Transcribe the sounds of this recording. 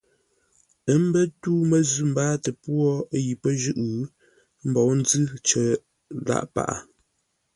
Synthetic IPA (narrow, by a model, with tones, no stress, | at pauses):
ə˦m˦bə˦tuː˦mə˨zʉ˦˨m̩˨baː˦tə˨pwɔ˦ji˨pə˦ʒʉ˦ʔɣʉ˦ | m̩˦bɔ˨˦wn̩˦d͡zɨ˦t͡ʃə˨ | la̰˦ʔpa̰˨ʔa̰˨